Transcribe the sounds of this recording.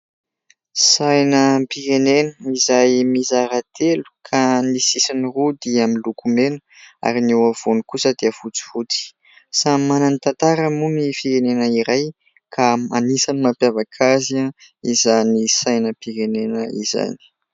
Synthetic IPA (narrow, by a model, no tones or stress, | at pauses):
sajnəpiɾenenəizajmizaɾat̪ʰelu̥kʰanisisinirud̪iamilukumenə̥a̰ɾinewav̥onikusəd̪eəvut͡si̥vut͡si̥ | samananit̪ant̪aɾəmumifiɾenenəiɾaj | kʰamanisanimapjavakʰaziaizanisajnəpiɾenenəḭza̰ni̥